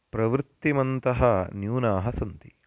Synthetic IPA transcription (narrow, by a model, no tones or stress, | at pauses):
pɾɐʋɾɪt̪ːimɐnt̪ɐɦɐnjuːnaːɦɐsɐnt̪i